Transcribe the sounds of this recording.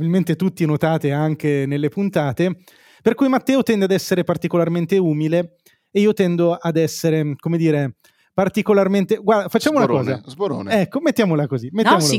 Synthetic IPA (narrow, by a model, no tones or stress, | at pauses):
bilment̪et̪ut̪ːinot̪aːt̪eaŋk̟enelːepunt̪aːt̪e | perkujmat̪ːɛːot̪ɛnd̪ead̪ɛsːeɾepart̪ikolarment̪euːmileː | iːot̪ɛnd̪oad̪ɛsːeɾekomed̪iːɾe | part̪ikolarment̪eɡward̪afat͡ʃːaːmounakɔːzazboɾo̰ːnɛkːomet̪ːjaːmolakozimet̪ːamol